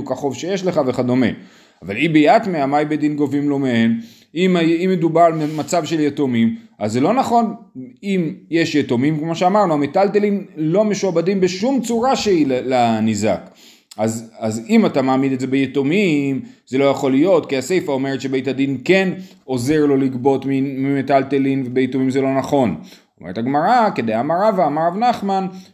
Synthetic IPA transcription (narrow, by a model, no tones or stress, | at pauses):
ukaχo̞vʃe̞jeʃle̞χaveχad̪o̞mḛ | avalibejatmeamajbed̪inɡo̞vimlo̞meen | imaimːed̪ubaʁmemat͡savʃe̞ljetomimazelo̞naχo̞nimje̞ʃjetomimkmo̞ʃeamaʁnuametaltelimlo̞me̞ʃuabadimbeʃumt͡suʁaʃeillanizak | azazimatamaːmid̪etze̞bejetomimze̞lo̞jaχo̞lijo̞tkiase̞jfao̞meʁet̪ʃe̞bejtad̪inke̞n | o̞ze̞ʁlo̞likbo̞tmimimetaltelinvebejetomimzelo̞naχo̞n | omḛetaɡmaʁaked̪ejamaʁaveamaʁavnaχman